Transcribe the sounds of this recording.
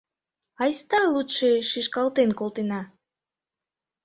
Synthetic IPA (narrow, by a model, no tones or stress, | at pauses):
ɑjst̪ɑlˠut̪ʃeʃiʃkɑlˠt̪enkolˠt̪enɑ